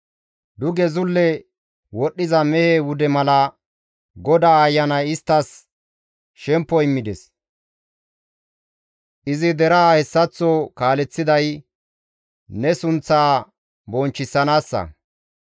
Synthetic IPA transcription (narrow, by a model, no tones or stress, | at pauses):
d̪ʊɡɛzʊlːɛ | wɔɗːɪzɐmɛhewʊd̪ɛmɐlɐ | ɡɔd̪aːjːɐnɐjɪst̪ːɐs | ʃɛmpːɔɪmːɪd̪ɛs | ʔɪzɪd̪ɛɾɐhɛsːɐt͡sːɔkaːlɛt͡sːɪd̪ɐj | nɛsʊnt͡sːaː | bɔnt͡ʃːɪsːɐnaːsːɐ̰